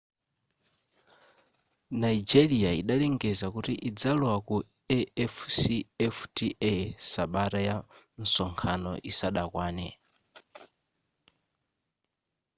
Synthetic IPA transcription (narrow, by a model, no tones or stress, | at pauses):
naid͡ʒɛlijaḭɗalɛŋɡɛzakutiʔid͡zalɔwaku | ɛɛfsiɛftiʔɛsaɓataja | n̩sɔŋkʰanɔ̰ʔisaɗakwaːnɛ